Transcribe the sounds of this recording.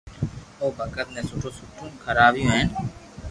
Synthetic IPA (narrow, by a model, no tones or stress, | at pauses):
oːbʱəkət̪nẽsʊʈʰõsʊʈʰːõkʰəɾaːbijõɦɛ̃ːn